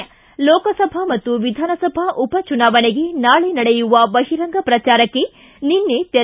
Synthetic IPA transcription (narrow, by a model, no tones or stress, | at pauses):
lɔːkɐsɐbʱɐmɐt̪ːuʋid̪ʱaːnɐsɐbʱɐʔupɐt͡ʃunaːʋɐneɡenaːɭenɐɽejuʋɐbɐɦiɾɐŋɡʱɐpɾɐt͡ʃaːɾɐkːe | ninːet̪e